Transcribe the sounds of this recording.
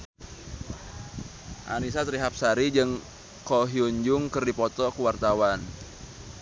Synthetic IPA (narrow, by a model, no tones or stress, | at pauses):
ʔa̰nisat̪ɾiɦap̚saɾid͡ʒɨŋ | kɔɦiuɲd͡ʒʊŋkɨrdipɔt̪ɔkuwart̪awan